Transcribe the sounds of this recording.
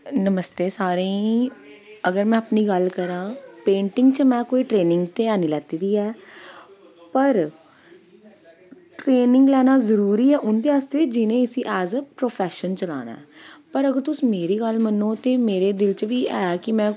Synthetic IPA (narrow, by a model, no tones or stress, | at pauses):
nəməst̪eːsaːɾẽiː | əɡəɾmɛ̃ːapniːɡəlkəɾãːpẽːɳʈɪ̃ŋɡt͡ʃəmɛ̃ːkoːiːʈɾeːnɪŋɡt̪eːaːniːlɛːt̪iːd̪iːɛː | pəɾ | ʈɾeːnɪ̃ŋɡlɛːnaːzəɾuːɾiːɛːʔʊnd̪eːaːst̪eːd͡ʒɪnẽːɪsiːʔɛːzpɾoːpʰɛːʃənt͡ʃəla̰ːñã̰ɛːpəɾəɡəɾt̪ʊsĩːmeːɾiːɡəlmənːoːt̪eːmeːɾeːd̪ɪlt͡ʃʋiːɛːkɪmɛ̃ː